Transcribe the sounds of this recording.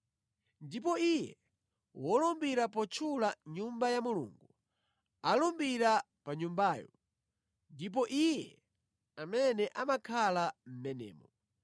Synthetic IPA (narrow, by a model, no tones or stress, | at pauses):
ndip̬ɔijɛ | wɔlɔmbiɾapɔt͡ʃʰulaɲumbajamulṵːŋɡu | alɔmbiɾa | paɲumbaːjɔ | ndip̬ɔʔijɛ | amɛnɛʔamakʰalam̩mɛnɛ̰ːmɔ